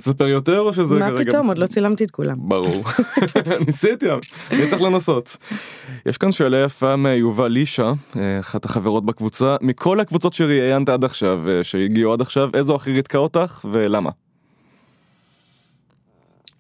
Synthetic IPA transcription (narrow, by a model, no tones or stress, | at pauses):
sapeʁjo̞te̞ʁoʃezemeiɡomod̪lot͡silamt̪iet̪̚kula̰mbaʁuʁ | nisit̪ianit͡seχlenaso̞t | jʔḛʃkanʃeːlajafameajuvaliʃaaχataχaveʁo̞t̪̚bakvut͡samikʰo̞lhakvut͡so̞tʃeʁiajant̪aad̪aχʃavʃejiɡiuad̪aχʃavezoaχiʁid̥̪kao̞taχve̞lama̰